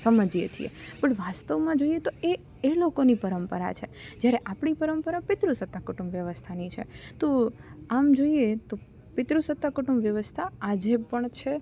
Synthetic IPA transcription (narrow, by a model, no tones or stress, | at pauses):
səməd͡ʒjḛt͡ʃʰḭḛpəɳʋast̪əʋmãd͡ʒoiet̪oe | elokonipəɾəmpəɾa̰t͡ʃʰed͡ʒjaɾeʔapɳipəɾəmpəɾapɪt̪ɾusət̪ːakʊʈumbʋjəʋəst̪ʰanit͡ʃʰḛt̪oamd͡ʒoiet̪o | pɪt̪ɾusət̪ːakʊʈumbʋjəʋəst̪ʰaad͡ʒepəɳt͡ʃʰe